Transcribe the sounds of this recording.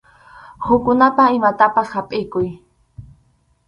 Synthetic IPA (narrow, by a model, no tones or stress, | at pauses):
hʊkʊnapaɪmat̪apashapʼɪkʊj